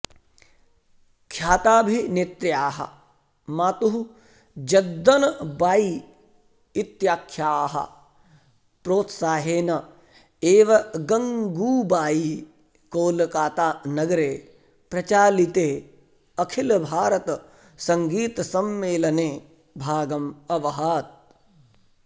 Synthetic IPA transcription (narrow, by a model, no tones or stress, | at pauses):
kʰjaːt̪aːbʱinet̪ɾjaːɦɐ̰ | maːt̪uɦu | d͡ʒɐd̪ːɐnbaːi | it̪jaːkʰjaːɦɐ̰ | pɾoːt̪saːɦeːnɐ | eːʋɐɡɐŋɡuːbaːi | koːlkaːt̪aːnɐɡɐɾeː | pɾɐt͡ʃaːlit̪eː | ɐkʰilbʱaːɾɐt̪ | sɐ̃ŋɡiːt̪ɐsɐmːeːlɐneː | bʱaːɡɐmɐʋɐɦaːt̪̚